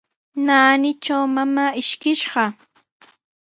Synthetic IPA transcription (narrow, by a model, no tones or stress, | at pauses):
naːnɪt͡ʃawmamaːɪʃkɪʃɢɑ